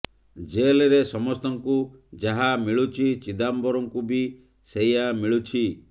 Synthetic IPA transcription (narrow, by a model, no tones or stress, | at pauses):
d͡ʒeleɾesɔmɔst̪ɔŋkud͡ʒaɦamiɭut͡ʃʰit͡ʃid̪ambɔɾɔŋkubi | sejamiɭut͡ʃʰi